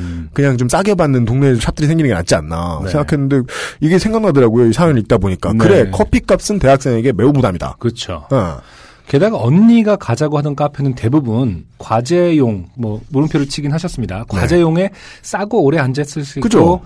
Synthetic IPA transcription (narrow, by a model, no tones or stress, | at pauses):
kɯɲaŋt͡ɕoms͈aɡʌbanːɯntoŋnet͡ɕʰapt͈ɯɾisʰeŋɡinɯnŋɡena̰t̚t͡ɕ͈ianːa̰sʰeŋɡakʰenːɯnde̞iɡe̞sʰe̞ŋɡaŋnadɯɾaɡojoisʰaʌnɯik̚t͈aboɲik͈aknɯɾe̞kʰʌpʰik͈ap̚s͈ɯnte̞ɦak̚s͈eŋe̞ɡe̞me̞umudamɲida̰kɯt͡ɕʰo̰ḛ | ke̞daɡaʌnːiɡakad͡ʑaɡoɦadʌnk͈apʰjenɯnte̞bubunkwad͡ʑe̞joŋmʌmuɾɯmpʰjoɾɯɭt͡ɕʰiɡinɦaɕʰʌs͈ɯmɲidakwad͡ʑe̞joŋe̞ | s͈aɡoːɾe̞and͡ʑes͈ɯɭs͈ʰikɯt͡ɕʰoo